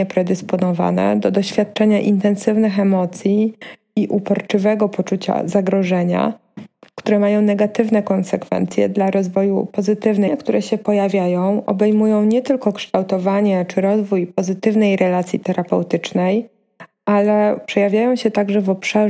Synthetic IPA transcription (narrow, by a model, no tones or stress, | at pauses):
ɛpɾɛd̪ɘspɔnɔva̰nɛ̰d̪ɔd̪ɔɕfʲjat̪̚t͡ʂɛɲaʔint̪ɛnsɘvnɘxɛmɔt̪sʲji | iʔupɔɾt͡ʂɘvɛɡɔpɔt͡ʂut͡ɕa̰zaɡɾɔʐɛɲa̰ | kt̪uɾɛmajɔ̃w̃nɛɡat̪ɘvnɛkɔnsɛkfɛ̰nt̪sʲjɛ̰d̪laɾɔzvɔjṵpɔzɘt̪ɘvnɛkt̪uɾɛɕɛpɔjavʲjajɔ̃w̃ʔɔ̰bɛjmujɔ̃w̃ɲɛt̪ɘlkɔkʂt̪awt̪ɔvaɲɛt͡ʂɘɾɔzvujpɔzɘt̪ɘvnɛjɾʔɛlat̪sʲjit̪ɛɾapɛwt̪ɘt͡ʂnɛj | alɛpʂɛjavʲjajɔ̃w̃ɕɛt̪aɡʐɛvɔpʂa